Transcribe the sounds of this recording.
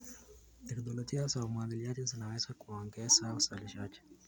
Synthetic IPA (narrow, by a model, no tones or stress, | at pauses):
ɛkd̪ɔlɔtiasaumwaðiliad͡ʒɛzinawɛzakuɔŋɡɛsausaliʃat͡ʃɛ̥